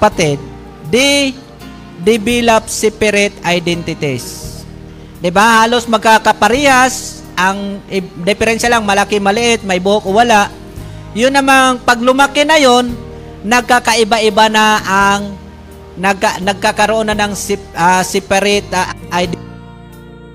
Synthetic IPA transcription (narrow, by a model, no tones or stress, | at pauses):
pat̪ɪd̪̚ː | ɪ | d̪ɪbilap̚sɪpɛɾɪt̪ajd̪ɛnt̪ɪt̪ɪs | d̪ɪbahaːlosmɐɡ̚kakapaɾiːhas | ʔaŋɪd̪ɪpɛɾɛnʃalaŋmɐlakɪmɐlɪʔɪt̪̚mɐjbʊhokowalaʔ | jʊnːɐmaŋpaɡ̚lʊmakɪnajonː | ɐɡ̚kakaʔɪbaʔɪbanaaŋ | naɡ̚anɐɡ̚kakaɾoʔonanaŋsasɪpɛɾɪt̪ʔajd̪